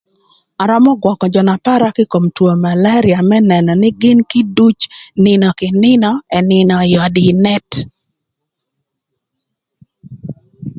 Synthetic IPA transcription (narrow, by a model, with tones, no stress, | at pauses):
a˨ɾɔ˦mɔ˦ɡwɔ˨kɔ˨d͡ʒɔ˨na˨pa˦ɾa˦kɪ˦ko˨mtwo˨ma˨la˦ɾɪa˨mɛ˦nɛ˨nɔ˨nɪ˦ɡɪ˦nkɪ˦du˦t͡ʃnɪ˨nɔ˨kɪ˨nɪ˦nɔ˦ɛ˨nɪ˨nɔ˨jɔ˨dɪ˨nɛ˦t